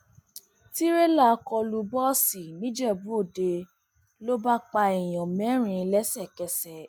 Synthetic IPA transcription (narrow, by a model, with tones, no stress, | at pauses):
ti˦ɾe˦la˦˨˧kɔ˧lu˧bɔ˦si˨nĩ˦d͡ʒɛ˦˨bũ˨˦o˦˨de˧ | lo˦ba˦k͡pa˧e˨j̃ɔ̃˨mɛ̃˨˦ɾ̃ĩ˧lɛ˦sɛ˦˨kɛ˧sɛ˨